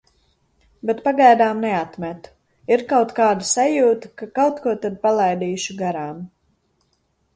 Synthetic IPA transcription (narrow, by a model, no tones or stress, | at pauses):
bet̪paɡajd̪aːmnɛat̪mɛt̪u̥ | iɾkawt̪kaːd̪asajuːt̪akakawt̪kuɔt̪ad̪̚palˠajd̪iːʃuɡaɾaːm